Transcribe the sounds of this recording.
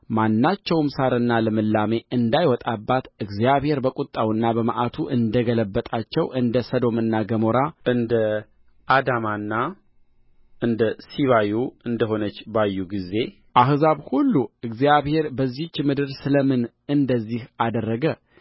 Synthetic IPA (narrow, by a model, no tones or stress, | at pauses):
manːat͡ʃːɛwmsaɾɨnːaləmɨlːame̞ʔɨnd̪ajwɔt̪ʼabːat̪ɨɡzijaβhe̞ɾbəkʼut̪ʼːawɨnːabəma̰ʔat̪ʰuʔɨnd̪əɡələbːət̪ʼat͡ʃːɛwʔɨnd̪əsəd̪o̞mɨnːaɡəmo̞ɾaʔɨnd̪ə | ʔad̪amanːa | ʔɨnd̪əsiβajuɨnd̪əɦo̞nət͡ʃːbajːuɡize̞ | ʔaɦzaβhulːuɨɡzijaβhe̞ɾbəzːit͡ʃːmɨd̪ɨɾsɨləmɨn | ɨnd̪əzːihʔad̪ərːəɡə